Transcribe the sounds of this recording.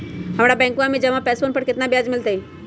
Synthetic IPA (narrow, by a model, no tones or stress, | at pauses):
ɦãmɽabɛ̃ŋkũamid͡ʑəʋapɛsfonpəɽkɪt̪nabjad͡zmilt̪ai